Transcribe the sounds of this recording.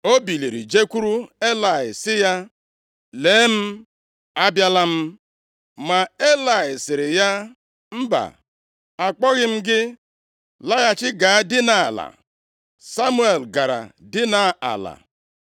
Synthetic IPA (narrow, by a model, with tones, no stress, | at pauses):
o˦bi˨li˨ɾḭ˨d͡ʒe˦kʷu˦ɾu˦e˦la˨ɪ˨sɪ˦ja˦ | leː˨˦m̩˦ | a˦bja˦la˦m̩˦ | ma˨e˦la˨ɪ˨sɪ˨ɾɪ˨ja˦ | m̩˦ba̰˨ | a˨k͡pɔ˦ɣɪ˦m̩˦ɡɪ˦ | la˦ɣa˦t͡ʃɪ˦ɡa˨˦dɪ˦na̰˨la̰˨ | sa˦mu˦e˨lɡa˨ɾa̰˨dɪ˦na˨˦a̰˨la̰˨